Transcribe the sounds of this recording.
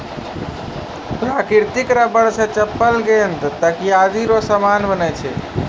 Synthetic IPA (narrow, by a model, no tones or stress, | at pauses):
pɾakiɾt̪ikɾabəɾsẽt͡ʃəpːəlɡent̪t̪əkijad̪iɾosəmanbənɛt͡ʃʰɛ̰